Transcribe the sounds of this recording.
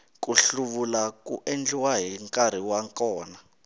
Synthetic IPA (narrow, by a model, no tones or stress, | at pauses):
k̬ʼuɬuɓulak̬ʼṵʔend͡ɮiwaɦiŋkʼaɾ̤iwaŋkʼɔːna